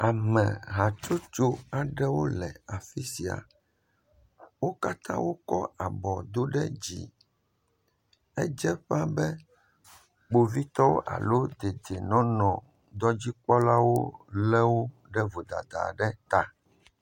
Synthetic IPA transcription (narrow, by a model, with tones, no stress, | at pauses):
a˨mɛ̃˨ɦa˨t͡ʃo˦t͡ʃo˦a˨ɖɛ˦wo˦lɛ̰˨a˨fi˦si˨a̰˨ | wo˦ka˦t̪ã̰˦wo˦kɔ̰˦a˨bɔ˨d̪o˦ɖɛ̰˦d͡ʑḭ˨ | ɛ˦d͡ʒɛ˦ɸa˦bɛ˦ | k͡po˨vi˦t̪ɔ˦wo̰˦ʔa̰˨lo˦d̪e˨d͡ʒe˨nɔ̃˦nɔ̃˨ | d̪ɔ˦d͡ʑi˦k͡pɔ˦la˦wo˦lɛ˦wo˦ | ɖɛ˦vo˨d̪a̰˨d̪a̰˨ɖɛ˦t̪a˨